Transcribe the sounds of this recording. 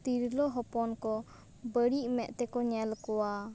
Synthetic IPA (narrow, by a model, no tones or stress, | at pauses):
t̪iɾlɔɦɔpɔnkɔ | bəɽiʔmɛʔt̪ɛkɔɲɛlkɔwa